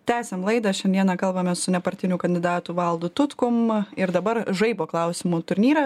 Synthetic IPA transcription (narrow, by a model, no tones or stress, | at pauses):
t̪ʲæːsʲemlˠɐɪd̪ɐʃʲɛnd̪ʲiɛnɑkɐlˠbɐmʲɛsʊnʲɛpɐɾʲt̪ʲɪnʲuːkɐnʲd̪ʲɪd̪ɑːt̪uʋɐlˠd̪ʊt̪ʊt̪kʊmɪɾd̪ɐbɐɾʒɐɪpoːklˠɐʊsʲɪmuːt̪ʊɾʲnʲiːɾɐ